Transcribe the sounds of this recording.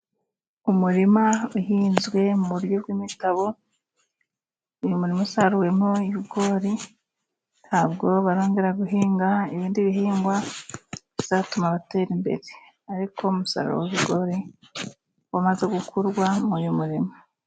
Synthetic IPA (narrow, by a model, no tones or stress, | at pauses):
umuɾimauhiːnzwe̞muβuɾjo̞bɡwiːmitaβo̞ | ujumuɾimasaɾuwe̞moiβiɡo̞ːɾi | nhaːbɡo̞βaɾo̞ːŋɡe̞ɾaɡuɦiːŋɡaiβiːndiβiɦiːŋɡwa | βiz̥atumaβateːɾimbe̞̰ɾe | aɾikʰo̞umusa̰ɾo̰wβiɡo̞ːɾi | wamaze̞ɡukʰuɾɡwamujumuɾima